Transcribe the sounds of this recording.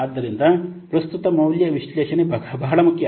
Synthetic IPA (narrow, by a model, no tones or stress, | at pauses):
aːd̪ːɐɾind̪ɐpɾɐst̪ut̪ɐmɐwljɐʋiʃlɛːʃɐnebbɐɦɐɭɐmukʰjɐ